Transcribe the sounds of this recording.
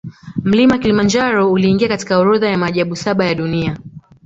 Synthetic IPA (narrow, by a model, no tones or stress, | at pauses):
m̩limakilimand͡ʒaɾɔuliːŋɡiakati̥kaɔɾɔðajamaːʄaɓusaɓajaɗunia